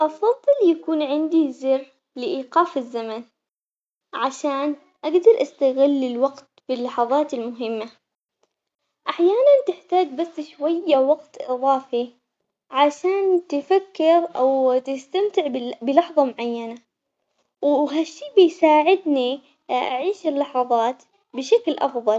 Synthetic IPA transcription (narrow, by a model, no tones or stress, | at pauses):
ʔɑfɑðˤːɨljakuːnʕɪnd̪izɪrː | lɪʔiːqɑːfɪzːaman | ʕaʃaːn | ʔaɡd̪ɑɾˤʔast̪aɣɪlːɪlwaɡt̪b̥ɪlːɑħɑðˤɑːt̪ɪlmʊɦɪmːa | ʔaħjaːnant̪ɪħt̪aːd͡ʒbasːʃwajːawɑɡt̪ʔɨðˤɑːfi | ʕaʃaːnt̪ɪfakːɪɾʔawt̪ɪst̪amt̪ɪʕbbɪlɑħðˤɑmʊʕajːana | wɦaʃːiːbɪjsaːʕɪd̪ni | ʔa̰ʕiːʃɪlːɑħɑðˤɑːt̪ | bɪʃaklʔɑ̰fðˤɑl